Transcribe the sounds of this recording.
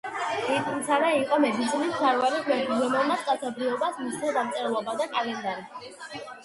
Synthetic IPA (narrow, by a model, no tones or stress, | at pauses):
it̪ʼsaɾaiqʼɔmɛd̪it̪sʰinissʰaɾvaɾiχʼwɛkʰiɡɔmɔlˠnaskʼat̪sʰabɾiɔbasmist̪ʰɛd̪amt̪sʼɛɾlˠɔbad̪akʼalɛnd̪aɾi